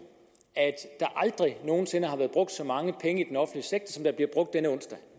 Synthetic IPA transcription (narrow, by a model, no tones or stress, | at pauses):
æd̥ːɑ̈ʔɑ̈ld̥ʁino̝ːn̩se̝nɐɦhɑ̈ʋæːɐb̥ʁɔ̽ɡ̥̚d̥sɒ̽mɑ̈ŋəpʰeŋəid̥enɒ̽fn̩d̥liəseɡ̥̚d̥ɐsɒ̽md̥ɑ̈b̥liɐb̥ʁɔ̽ɡ̥̚d̥ːenəɔ̽n̰sd̥æ